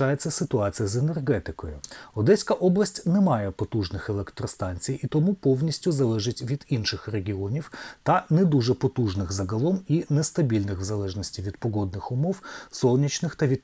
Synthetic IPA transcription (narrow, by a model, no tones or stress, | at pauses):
ɑjet͡sʲːɐsɪt̪ʊɑt͡sʲijɐzenerɦɛt̪ɪkɔjʊ̰ɔd̪ɛsʲkɐʔɔblˠɐsʲtʲnɛmɑjɛpɔt̪uʐnɪxelˠɛkt̪ɾɔst̪ɑnʲt͡sʲijit̪ɔmupɔwnʲisʲtʲʊzɐlˠɛʒɪtʲʋʲid̪inʃɪxreɡʲiɔnʲiwt̪ɐnɛd̪uʐɛpɔt̪uʐnɪxzɐɡɐlˠɔminɛst̪ɐbʲilʲnɪxwzɐlˠɛʐnɔsʲtʲiʋʲid̪pɔɡɔd̪̚nɪxʊmɔwsɔlˠnʲit͡ʃnɪxt̪ɐʋʲid̪